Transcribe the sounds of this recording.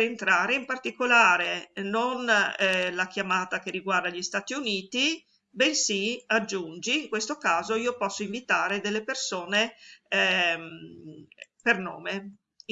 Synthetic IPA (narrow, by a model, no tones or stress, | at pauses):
ent̪ɾaːɾeimpart̪ikolaːɾenon | lak̟jamaːt̪akerːiɡward̪aʎist̪aːt̪iuniːt̪i | bensiad͡ʒːund͡ʒiːŋkwest̪okaːzoiːopɔsːoiɱvit̪aːɾed̪elːepersoːne | m | pernoːme